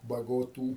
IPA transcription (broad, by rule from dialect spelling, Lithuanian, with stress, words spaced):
bɐɡoːˈtuː